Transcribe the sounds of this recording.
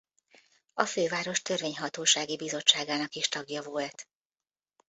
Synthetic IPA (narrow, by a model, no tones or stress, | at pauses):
ɒføːvaːɾo̞ʃt̪ørveːɲɦɒt̪oːʃaːɡibizo̞t͡ʃt͡ʃːaːɡaːnɒkiʃt̪ɒɡjɒvoːlt̪